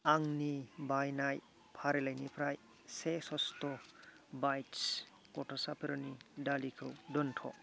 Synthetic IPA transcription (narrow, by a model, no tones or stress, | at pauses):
aŋnibajnaj | pʰaɾelajnipʰɾaj | sesɔstɔ | bajts | kɔtʰɔsapʰeɾɔnidalikʰɯwdɔntʰɔ̰